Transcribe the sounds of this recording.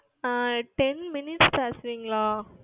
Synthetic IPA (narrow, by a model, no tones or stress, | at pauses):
ʈɛnmɪnɪʈspeːsʋiːŋɡɐɭaː